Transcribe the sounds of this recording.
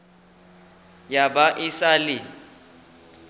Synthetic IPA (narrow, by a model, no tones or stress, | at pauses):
jabaʔɪsalɪ